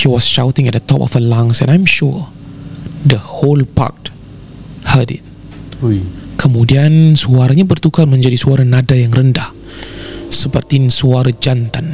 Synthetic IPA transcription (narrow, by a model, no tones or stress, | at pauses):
hiwɔsʃawt̪ɪ̃ŋɛt̚dət̪ɔpɔ̰fəlãŋsɛ̰̃najmʃu | dəholpa̰k̚ | hadɪ̰t̚ | kʰəmudiansuaɾaɲabərt̪ukanmə̃ɲd͡ʒadisuaɾanadajaŋrəndah | səpərt̪insuaɾad͡ʒant̪an